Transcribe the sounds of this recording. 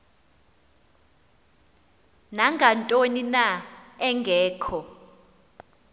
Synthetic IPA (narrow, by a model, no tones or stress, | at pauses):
naŋɡʱantʼoninaɛŋɡʱɛːkʰɔ